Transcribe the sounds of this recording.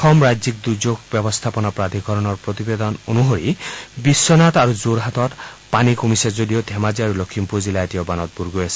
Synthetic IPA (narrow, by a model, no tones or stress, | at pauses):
xʰɔmɹajzik̚d̪ud͡ʒoɡbjɔbɔst̪ʰapɔnɔpɾad̪ʱiɡʱɔɾɔnɔɹpɹot̪ibed̪ɔnonuɦoɹibisːɔnat̪aɾuzoɾɦat̪ɔt̪panikomisezodiɔd̪ʱɛmaziaɾulokʰːimpuzilajtiɔbanɔt̪̚buɾɡojasi̥